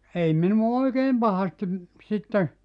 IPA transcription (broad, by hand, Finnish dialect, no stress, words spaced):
ei minuɑ oikeːm pɑhɑstim sitːe